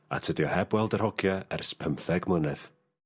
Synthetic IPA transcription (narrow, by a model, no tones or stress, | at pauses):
a̰tʰədjɔhɛbwɛlˠdər̥hɔɡjaɛrspʰəmθɛɡmənɛð